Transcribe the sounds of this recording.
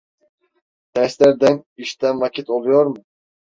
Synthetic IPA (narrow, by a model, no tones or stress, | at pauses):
d̪̥ɛslæɾd̪ɛniʃt̪ɛnvɑkʲʰit̪olˠujoɾmu